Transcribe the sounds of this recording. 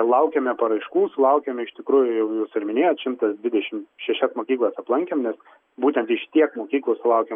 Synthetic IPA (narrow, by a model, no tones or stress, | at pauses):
lˠɐʊkʲemʲɛpɐɾɐɪʃkuːsʊlˠɐʊkʲɛmʲɛɪʃt̪ʲɪkɾuːjʊjɛʊjuːsɪɾmʲɪnʲeːjoːt̪ʃʲɪmt̪ɐsd̪ʋʲɪd̪ʲɛʃʲɪmʃʲɛʃʲɛsmoːkʲiːklˠɐsɐplˠɐŋʲkʲemnʲɛs | buːt̪ʲɛnt̪ʋʲɪʃt̪ʲiɛkmoːkʲiːklˠosʊlˠɐʊkʲem